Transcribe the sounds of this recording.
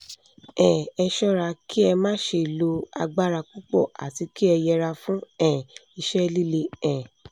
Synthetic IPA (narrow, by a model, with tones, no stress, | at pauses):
ɛ̃˨ɛ˧ʃɔ˦ɾa˧ki˦ɛ˧mãː˦ʃe˧˨lo˧a̰˧ɡ͡ba˦ɾa˧ku˦k͡pɔ̰˦˨ʔa̰˨ti˨˧˦ki˦ɛ˧jɛ˧ɾa˧fũ˦ɛ̃˨i˧ʃɛ˦li˦le˧˦ɛ̃˨